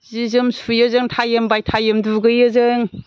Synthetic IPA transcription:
zizɯmsujazɯŋtʰajɯmbajtʰajɯmduɡɯjɯzɯŋ

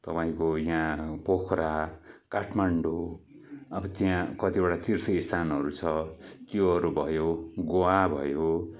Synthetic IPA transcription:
t̪ʌpaĩkojãpokʰɾakaʈʰmaɳɖo | ʌbʌt̪jãkʌt̪ibaʈat̪irsʌist̪ʰanɦʌɾut͡sʰʌt̪joʌɾubʱʌjoɡoabʱʌ̰jo

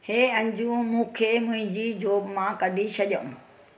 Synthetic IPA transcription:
heːɐ̃ɲd͡ʑũːmũːkʰemʊ̃ɦɪ̃ɲd͡ʑiːd͡ʑoːbmãkɐɖʱisʰɐʄə̃ũ

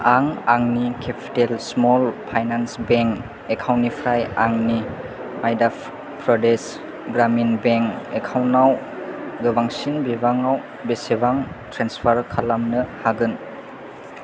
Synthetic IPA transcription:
aŋaŋnikʰepʰi̥telsmɔlpʰajnansbeŋk | ekʰawnipʰɾajaŋni | ajdap | pɾɔdes | ɡɾaminbeŋkekʰawnaw | ɡɯbaŋsinbibaŋaw | besebaŋtʰɾanspʰaɾkʰalamnɯhaɡɯn

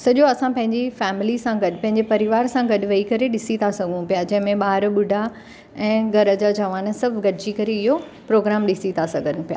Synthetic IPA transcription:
sɐʄoɐsãpɐ̃ɦɪ̃ɲd͡ʑifɛːmɪlisãɡɐɗpɐ̃ɦɪɲd͡ʑepɐɾɪʋaːɾsãɡɐɗ̆ʋɐikɐɾeɗɪsit̪ʰasɐɡʱũpijad͡ʑɐ̃ɦɪ̃mẽɓaːɾɓʊɖʱa | ɛ̃ːɡʱɐɾəd͡ʑad͡ʑɐʋaːn̆sɐbʱɡɐɖʱɪd͡ʑikɐɾeɪɦo | pɾoːɡɾaːmɗɪsit̪ʰasɐɡʱənʊpija̰ː

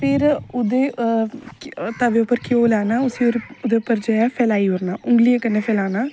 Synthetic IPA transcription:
pʰɪɾʊd̪eː | t̪əʋeʊpːəɾkjoːlaːnaːʊsioɾʊd̪eʊpːəɾd͡ʒəapʰɛːlaːiɦʊɾnaːʔʊŋɡlijekənːepʰɛːlaːnaː

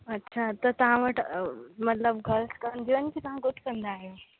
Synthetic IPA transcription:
ɐtːɕʰat̪ɐt̪ɐʋ̤ãʋəʈmɐt̪ləbɡʱɐlskɐɾənd̪iʋənkʰit̪ɐʋãɡʊʈʰkɐ̃nd̪aːɦijoː

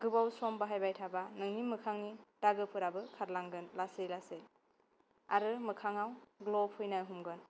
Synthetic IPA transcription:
ɡ̥ɯbawsɔmbaɦajbajtʰabanɯŋnimɯkʰaŋnid̥aɡɯpʰɯɾabɯkʰaɾlaŋɡɯnlasɯjlasej | a̰ɾɯmɯkʰaŋawɡlɔpʰɯjnaɦumɡɯn

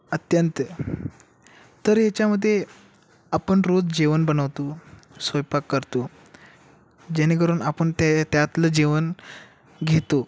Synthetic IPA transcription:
ət̪jənt̪ | t̪əɾjat͡ɕjaməd̪ʱːje | apəɳɾod͡zd͡ʑeʋənbənəʋt̪o | sojpakːəɾt̪o | d͡ʑeniɡəɾuːnapəɳt̪t̪jat̪ləd͡ʑeʋən | ɡʱet̪o

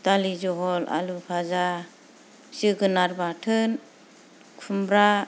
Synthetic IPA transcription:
dalizɔɦɔla̰lupʰaza | sɯɡɯnaɾbatʰɯn | kʰumbɾa

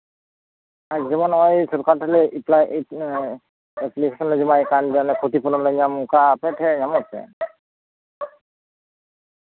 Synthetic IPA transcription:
aɡzɔmɔnɔjsɔɾkatʰalɛʔiplaj | ɛplikʰesɔnlɔjzimajkandianɛkʰotipʰɔnɔlɔjɲamukapʰɛtʰɛɲamɔsɛ̰

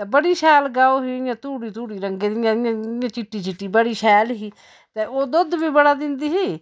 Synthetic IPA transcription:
ebəɽiːʃɛːlɡaːoːɦiːɪjãːt̪uːɽiːt̪uːɽiːɾəŋɡeːd̪ɪjãːɪãːɪjãːt͡ʃɪʈːiːt͡ʃɪʈːiːbəɽiːʃʰɛːlɦiː | t̪eːoːd̪ʊd̪biːbəɽaːd̪ɪnd̪iːɦiː

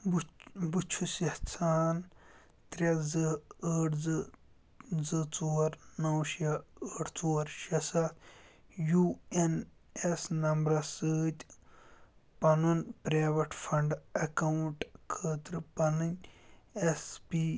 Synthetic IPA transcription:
bbut͡ʃʰusɐht͡sʰaːn | t̪ɾʲɐzɨəːʈzɨ | zɨt͡soːɾnɐwʃjɐəːʈt͡soːɾʃɐsat̪juen | esnɐmbɾɐsɨːt̪ʲ | pɐnunpɾaːʋɐʈfʰɐɳɖɐkɐwɳʈkʰəːt̪ɾɨpɐnɨnʲespi

